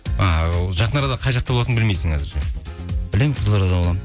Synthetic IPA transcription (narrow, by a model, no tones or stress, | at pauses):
ɑʒɑqənɑɾɑd̪ɑqʰɑjʒɑqt̪ɑbolˠɑt̪ənbɪlme̞jsɪŋkʰɑzɪɾʃebɪle̞mɪɴqʰəzlˠɑɾɑd̪ɑwolˠɑm